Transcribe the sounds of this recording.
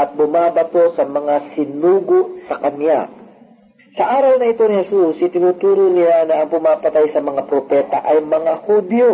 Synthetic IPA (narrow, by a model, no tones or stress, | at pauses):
ʔɐt̪̚bʊmaːbɐpo̞sɐmɐŋasɪnuːɡoʔsɐkɐnja̰ | sɐʔaːɾɐwnɐʔɪt̪o̞nɪhɛsusʔɪt̪ɪnuːt̪uːɾonɪlanɐʔɐŋpʊmaːpɐt̪ajsɐmɐŋapɾopɛːt̪ɐ̰ʔɐjmɐŋahud̪jo